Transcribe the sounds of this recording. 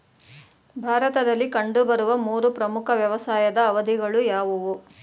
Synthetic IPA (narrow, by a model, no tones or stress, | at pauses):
bʱaːɾɐt̪ɐd̪ɐlːikɐɳɖubɐɾuʋɐmuːɾupɾɐmukʰɐʋjɐʋɐsaːjɐd̪ɐːʋɐd̪ʱiɡɐɭujaːʋuʋu